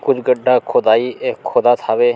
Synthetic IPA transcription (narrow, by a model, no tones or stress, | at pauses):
kʊd͡ʒɡəɖʱaːkʰoːd̪aːiːeːkʰoːd̪aːt̪ʰaːʋeː